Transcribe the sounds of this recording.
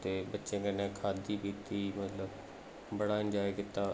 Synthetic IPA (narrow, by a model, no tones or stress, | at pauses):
t̪eːbətːʃẽːkənẽːkʰaːd̪iːpiːt̪ːiːmət̪ləb | bəɽaːənd͡ʒaːiːkɪt̪aː